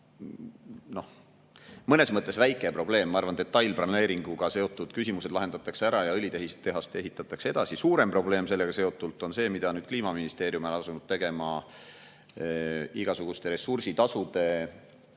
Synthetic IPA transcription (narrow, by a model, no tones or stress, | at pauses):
no̞h | mɤne̞smɤt̪ˑːe̞svæjkːˑepro̞b̥le̞ːmːɑɑrvɑnd̪e̞t̪ːɑjlprɑne̞ːɾiŋɡ̥uɡ̥ɑse̞o̞t̪ːˑud̪̥kysimuse̞d̪lɑɦe̞nd̪̥ɑt̪ːˑɑkseæɾɑjɑɤlʲit̪e̞ɦiset̪ːe̞ɦɑst̪e̞ɦit̪ːˑɑt̪ːˑɑkseed̪̥ɑsisuːɾe̞mpro̞ble̞ːmse̞lːeɡ̥ɑse̞o̞t̪ːˑult̪ːˑo̞nse̞ːmid̪̥ɑnyːd̥̪̚kliːmɑminist̪e̞ːɾjumelɑsunud̪̥̚t̪e̞ɡ̥e̞mɑ | iɡ̥ɑsuɡ̥ust̪e̞ɾe̞sursit̪ɑsud̪e̞